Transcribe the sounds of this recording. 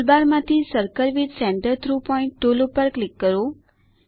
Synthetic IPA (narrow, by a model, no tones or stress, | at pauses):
lbaɾmãt̪ʰisəɾkəɾʋidsɛ̃ɳɖəɾt̪ʰɾupɔiɳʈːolopəɾklɪkːəɾo